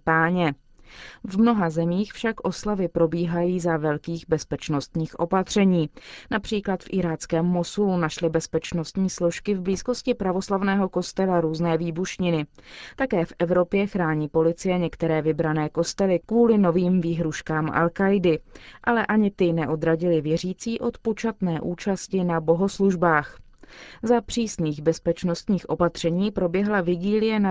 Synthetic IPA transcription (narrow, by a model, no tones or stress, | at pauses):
paːɲɛ | vmno̞ɦazɛmiːxfʃakʔo̞slavɪpɾo̞biːɦajiːzavɛlkiːɣbɛspɛt͡ʃno̞st̪ɲiːxʔo̞pat̪r̝̥ɛɲiːnapr̝̥iːklat̪fʔɪɾaːt̪t͡skɛːmːo̞sulunaʃlɪbɛspɛt͡ʃno̞st̪ɲiːslo̞ʃkɪvbliːsko̞scɪpɾavo̞slavnɛːɦo̞ko̞st̪ɛlaɾuːznɛːviːbuʃɲɪnɪ | t̪akɛːfʔɛvɾo̞pjɛxɾaːɲiːpo̞lɪt͡sɪjɛɲɛkt̪ɛɾɛːvɪbɾanɛːko̞st̪ɛlɪkvuːlɪno̞viːmviːɦɾuʃkaːmʔa̰lkajdɪʔalɛʔaɲɪt̪ɪnɛʔo̞d̪ɾaɟɪlɪvjɛr̝iːt͡siːʔo̞t̪pot͡ʃat̪nɛːʔuːt͡ʃascɪnabo̞ɦo̞sluʒbaːx | zapr̝̥iːsniːɣbɛspɛt͡ʃno̞st̪ɲiːxʔo̞pat̪r̝̥ɛɲiːpɾo̞bjɛɦlavɪɡiːlɪjɛna